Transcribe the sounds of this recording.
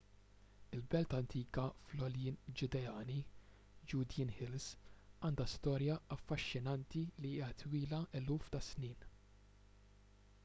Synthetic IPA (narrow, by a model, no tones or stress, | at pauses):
ɪlbɛlt̪ɐnt̪ʰiːkɐflɔljɪːnd͡ʒʊd̪ɛjɐːni | d͡ʒuːd̪jɪnhɪlsɐːnd̪ɐst̪ɔːɾjɐɐfːɐʃːɪnɐnt̪iliɪːɐt̪wiːlɐʔɛluːft̪ɐsniːn